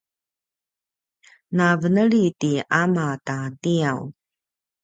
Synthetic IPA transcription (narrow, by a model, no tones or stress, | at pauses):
navənəɭitiʔamatatiaw